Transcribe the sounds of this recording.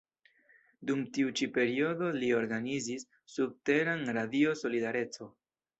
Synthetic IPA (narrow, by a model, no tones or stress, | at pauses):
dumtiut͡ʃipe̞ɾio̞do̞lio̞ɾɡanizisː | ub̚te̞ɾanɾadio̞so̞lidaɾe̞t͡so̞